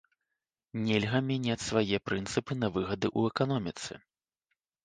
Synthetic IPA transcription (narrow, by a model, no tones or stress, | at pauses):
nʲɛlʲɣɐmʲanʲat͡sʲsvajɛpɾɨnt̪sɨpɨnɐvɨɣɐd̪ɨʔuɛkan̪ɔmʲit̪sɨ̰